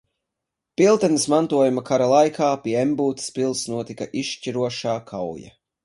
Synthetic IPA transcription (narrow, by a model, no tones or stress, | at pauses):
pilˠt̪ɛnismant̪uɔjumakaɾalˠajkʰaːpiɛembuːt̪i̥spilˠsnuɔt̪ikaʔiʃt͡ʃiɾuɔʃaːkʰawja̰